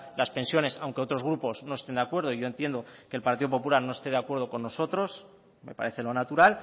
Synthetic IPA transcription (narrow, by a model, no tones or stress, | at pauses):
laspe̞nsjo̞ne̞sawŋkeo̞t̪ɾo̞zɣ̞ɾupo̞sno̞est̪e̞nd̪akwe̞ɾð̞oiʝo̞e̞nt̪je̞nd̪o̞ke̞lpaɾt̪iðo̞p̬o̞pulaɾno̞e̞st̪e̞ð̞eakwe̞ɾð̞o̞ko̞nːo̞so̞t̪ɾo̞s | me̞̰pa̰ɾe̞θe̞lo̞nat̪uɾal